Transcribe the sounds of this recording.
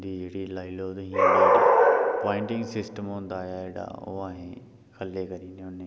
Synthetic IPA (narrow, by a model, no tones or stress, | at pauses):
d̪iɐɦɽilaːiloːd̪ɦĩã | pɔːɪ̃ɳʈɪ̃ŋɡsɪsʈəmɦʊ̃nd̪aːɦaeɽa̰o̰aːɦẽ | xʰɐlekɐɾiːneʊnẽ